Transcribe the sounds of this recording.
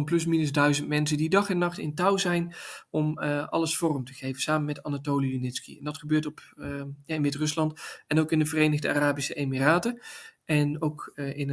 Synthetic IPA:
nplɵs̬minəzdœɥzəntmɛnsəndidɑχɛnːɑχtɪ̰ntɑwzɛjnɔmɑ̰ləsfɔːrəmtə̥χejvəsaːməmɛtanatowliunɪtskḭɛ̰ndɑtχəbøːɹtɔpjaɪnʋɪtrɵslɑntɛnowkɪndəvərejnəɣdəa̰raːbisəejmiraːtəʔɛnowkɪn

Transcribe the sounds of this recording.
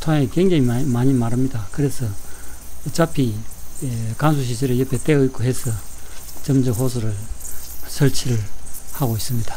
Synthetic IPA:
t̪ʰwaŋekeŋɡeŋimaɲimaɾɯmɲidakɯɾesʰʌ | t͡ɕapʰi | kans̬ʰuɕ̬ʰisʰeɾɯɭjʌpʰːet̪͈eɯik͈oɦesʰʌt͡ɕʌmd͡ʑʌɦos̬ʰɯɾɯɭ | sʰʌɭt͡ɕʰiɾɯɭhaɡois͈ɯmɲid̥a

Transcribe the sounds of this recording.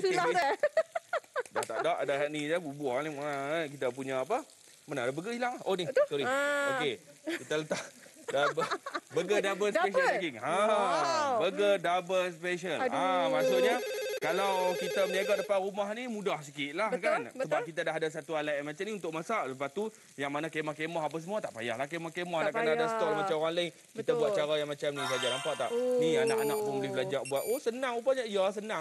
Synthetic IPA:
sula | dat̪aʔdaʔdaɦaʔnid͡ʒabubuaniak̬it̪ap̬uɲaapə | manadabəɡəilaŋhʔonisoɾiokekit̪alət̪adabbəɡədabəspeʃəlkiŋa | bəɡədabəspeʃəlamasʊʔɲakalawkit̪aməɲaɡaʔdapaɾumaɦnimũdahsəkiʔ̪̚lahkanəbaʔ̚kit̪̬adaɦadas̬at̪ualajmat͡ʃamniunt̪ʊk̚masaləpaht̪u | jaŋmanakemahkemɔɦap̬asəmuat̪aʔpaja̰hlahkemahkemɔhaʔkkanaadasə̥t̪ɔlmat͡ʃamoɣaŋlai | kit̪abuat̪ʔ̚t͡ʃaɾajaŋmat͡ʃamnisad͡ʒanampaʔt̪aʔnianaʔanaʔpundibəlad͡ʒaʔbuat̪osənaŋubaɲaʔijas̬ənãŋ

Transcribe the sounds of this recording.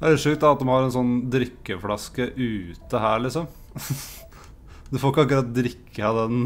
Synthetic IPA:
d̪æɾɛʂʉːkt̪d̪ɑɑt̪̚d̪ɛmhɑɾɛnsɔnːd̪ɾɪkːəflɑskəʔʉːt̪əhæːɾɭɪsɔm | d̪ʉfoːɪkːəɑkːʉɾɑt̪̚d̪ɾɪkʰːəɑd̪ɛn

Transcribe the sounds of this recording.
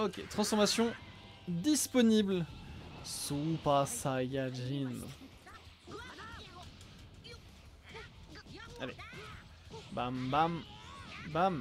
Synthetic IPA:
ɔkʲḛt̪χɑ̃sfɔʁmasjɔ̃ | d̪ispɔnibl | supasajaʒin | ale | bambam | bam

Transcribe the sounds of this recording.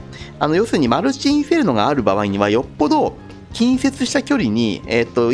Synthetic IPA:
ano̞jo̞sɨɲ̟imaɾɯ̟t͡ɕĩse̞ɾɯ̟no̞ɡaːɾɯ̟baβ̞aiɲ̟iβajo̞pːo̞d̪o̞ | kʲĩɰ̃se̞t͡sɨɕi̥t̪akʲo̞ɾʲiɲ̟ḭet̪ːo̞

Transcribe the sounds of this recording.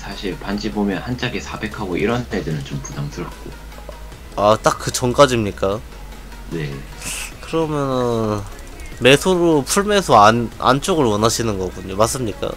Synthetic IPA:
sʰaɕʰiɭpand͡ʑibomjʌnhant͡ɕ͈aɡesʰabe̞kʰaɡoʔiɾʌnt͈edɯnɯnt͡ɕompudamsʰɯɭk͈o | at͈ak̚k͈ːɯt͡ɕʌŋk͈ad͡ʑimɲik͈a | ne̞ | kɯɾʌmjʌnɯn | me̞sʰoɾopʰuɭme̞sʰʌana̰nt͡ɕ͈oɡɯɭwʌnaɕʰinɯnɡʌɡuɲomas͈ɯmɲik͈a̰

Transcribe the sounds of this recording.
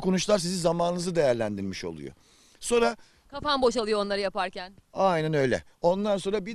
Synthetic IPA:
kʰonuʃlˠaɾs̬izizamaːnɯnɯzɯd̪e̞jæɾlʲænd̪iɾmiʃo̞̰lˠṵjo̰ | so̞nɾa | kʰafanbo̞ʃalˠɯjoːnˠaɾɯjapaɾcænajnænø̞jlʲɛ̰ | o̞nlˠanso̞ːɾabi

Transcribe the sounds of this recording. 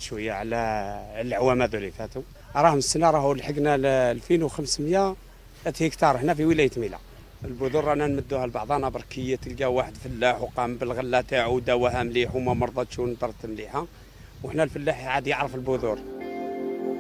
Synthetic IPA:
ʃwəjːaʕlælʕwæmæd̪ulifæt̪u | ɾˤɑhəməsːənɑɾˤɑhulħəɡnællfinwxəmsmjæ | æt̪hikt̪ɑɾˤəħnæfiwəlæjət̪milæ̰ | əlbʊd̪uɾˤænænməd̪ːuhælbɑʕd̪ˤɑnɑbɑɾˤkəjːæt̪əlɡæwaħəd̪fəlːaħwqɑmbəlɣəlːæt̪aʕud̪æwæɦæmliħumæmɑɾˤd̪ˤɑt̪ʃunəd̪ɑɾˤt̪əmliħæ | wəħnælfəlːaħʕad̪jəʕɾəfəlbʊd̪uɾ

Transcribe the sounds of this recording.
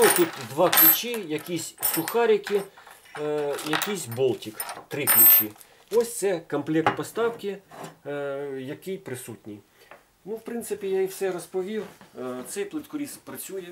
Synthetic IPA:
ut̪ʲit̪d̪ʋɑklʲʊt͡ʃʲijɐkʲisʲsʊxɑɾʲikʲi | jɐkijsʲbɔlˠtʲikt̪ɾɪklʲʊt͡ʃi | ɔsʲt̪sɛkɔmplʲɛkt̪̚pɔst̪ɑwkɪ | jɐkɪjpɾɪsutʲnʲi | nuwpɾɪnt̪sɪpʲijaiwsɛɾɔspɔʋʲiwt̪sɛjplˠɪt̪kɔɾʲispɾɐt͡sʲujɛ

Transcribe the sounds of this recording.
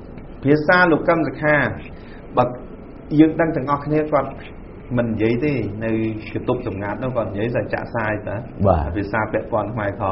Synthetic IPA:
pʰiəsaːloːkːəmsakʰaː | ɓaː | jəːŋɗəŋt̪ɛ̆əŋʔɑhkʰniəkŏət̪̚ | mɨnːijiəjt̪eːnɨwkat̪up̚sɑmŋat̪̚nʊkːŏət̪̚ijiəjsat͡ɕa̰ːʔsaːjt̪aɓaːapʰiəsaːpɛ̆əʔpŏənkʰmaɛkʰɑ

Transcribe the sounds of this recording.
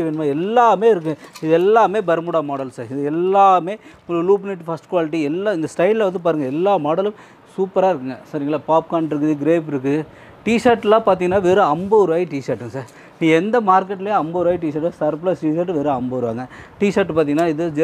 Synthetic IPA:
ʋeːnɐmaːɛlːaːmeːɪɾɯk̬ːɯ̃ɪðɛlːaːmeːbɐɾmʊɽaːmoːɽɐlsaːɾɪðɯɛlːaːmeː | luːpniʈːfɐsʈkʋaːlɪʈ̬ːiɛlːaːɪnd̪ɐsʈɐɪlːɐʋɐnd̪ɯpaːɾɯŋɡɐɛlːaːmoːɽɐlɯ̃m | suːpːɐɾaːɪɾɯkːɯŋɡɐsɐɾiŋɡɐɭaːpaːp̚kaːɳɖɪɾɯkːɯðɯɡɪɾeːpɪɾɯk̬ːɯðɯ | ʈiːʂɐɾʈːlãːpaːɾt̪̬iŋɡɐnːaːʋeɾɯɐmbɐʋɐɾɯʋaːjiʈiːʂɐɾʈːɯ̃saːɾ | nĩːɛnd̪ɐmaːɾkːɛʈːlɐjɐmbɐʋɾʋaːjiʈ̬iːsɐɾʈːsɐɾp̬lɐsʈiːʃɐːʈːʋeːɾɐɐmbɐʋɐɾɯʋa̰ːŋɡɐʈiːsɐɾʈːpaːɾt̪̬iːŋɡɐnːaːɪðɯd͡ʒ

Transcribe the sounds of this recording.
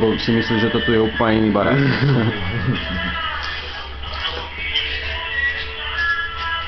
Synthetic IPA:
bosimisliʒɛt̪ot̪ujɛupːəɲinibaɾa̰

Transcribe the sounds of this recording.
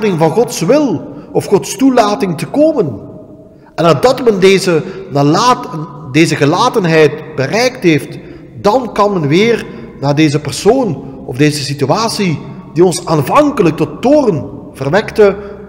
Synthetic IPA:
dɪŋvɑnɣɔtsʋɪlˠɔfxɔtstulaːtɪŋtəkoːmən | ɛnadɑtmɛndeːzənalaːtdeːzəɣəlaːtənɦɛjt̚bərɛjktɦeːft | d̥ɑnkɑnmɛnʋɪːr | naːrdeːzəpɛrsoːnɔvdeːzəsityaːsi | diɔnsaːnvɑŋkələk̚tɔtːoːrən | v̥ərʋɛktə

